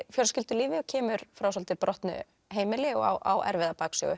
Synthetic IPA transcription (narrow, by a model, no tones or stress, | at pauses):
fjɔɾscɪlt̪ʏliːvɪɔcʰɛːmʏɾ̥fɾawsɔlt̪ɪpɾʔɔht̪nʏ̰ | ɦeːjmɪlɪɔ̰ɣa̰wʔa̰wʔɛ̰ɾvɪðapaːksœ̰ːɣʏ